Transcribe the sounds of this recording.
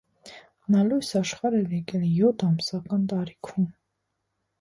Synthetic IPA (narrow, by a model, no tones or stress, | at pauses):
nɑlujsɑʃχɑɾɛɾjɛkɛljɔt̪ʰɑmsɑkɑnt̪ɑɾikʰum